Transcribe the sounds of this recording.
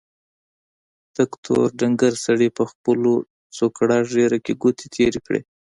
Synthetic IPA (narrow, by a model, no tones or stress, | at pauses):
t̪akt̪ʰo̰ɾɖaŋɡaɾsaɽepəxpəlo | t͡sokɽɑʒeɾakeɡot̪ʰe̥t̪ʰeɾekɽḛ